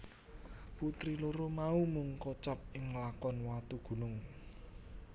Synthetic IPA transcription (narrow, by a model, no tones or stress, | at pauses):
put̪ɾiloɾomaumuŋkɔt͡ʃap̚ɪŋlakɔnwat̪uɡ̥ṳnʊŋ